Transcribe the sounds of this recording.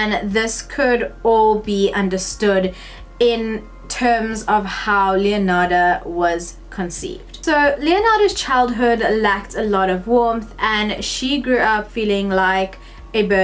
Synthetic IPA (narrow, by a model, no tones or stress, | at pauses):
ɨ̃nðɪskʰʊɾɔlˠbiʔʌ̃ndəstʊd | ɪ̃n | tʰɜːmzʌv̥haʊliənɑɾəwʌz̥ | kʰə̃nsḭːvd̥soʊliənɑɾəz̥t͡ʃʰaɪlˠd̚ɦʊdlæk̚tʰəlɔɾʌvwɔɹmθə̃nʃiɡɹʉʌpfiːlɪ̃ŋlaɪk | ɨbɜ